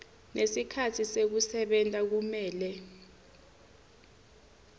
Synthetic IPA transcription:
nʔesikʰatʰisek̬usɛɓɛntʼak̬umɛːlɛ

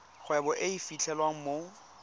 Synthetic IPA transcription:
χwɛbɔʔeifit͡ɬʰɛlwaŋ̩mo

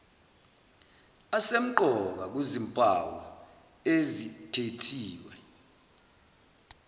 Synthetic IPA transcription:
asem̩ǃʱɔk̬ak̬wezimpʼawɔ̰ | ezitʰetʰiːwɛ

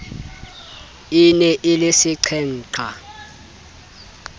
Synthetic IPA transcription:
inɛʔɪlɪsɪǀʰɛn̩ːǀʰa

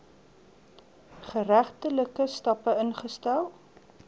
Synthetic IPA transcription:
χəɾæχtələkəstɐpəənχəstælˠ

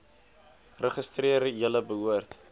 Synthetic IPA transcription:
rəχəstriəɾəjələbəɦuərt

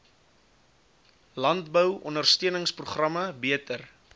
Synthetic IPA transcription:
lɐntbəwʔɔ̰nərstyənəŋspruχrɐməbiətər

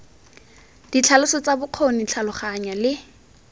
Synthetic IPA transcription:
d̥it͡ɬʰalʊsɔt͡sabʊq͡χʰonit͡ɬʰalʊχaɲalɪ

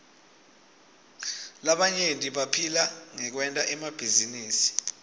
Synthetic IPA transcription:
laɓaɲentʼiɓapʰilaŋɛk̬wɛntʼaʔɛmab̥ʱiziniːsi̥

